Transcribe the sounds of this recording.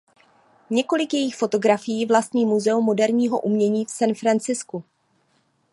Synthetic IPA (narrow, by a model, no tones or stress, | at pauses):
ɲɛko̞lɪkjɛjɪxfo̞t̪o̞ɡɾafɪjiːvlast̪ɲiːmuzɛumːo̞dɛɾɲiːɦo̞̰ʔumɲɛɲiːfsɛnfɾant͡sɪsku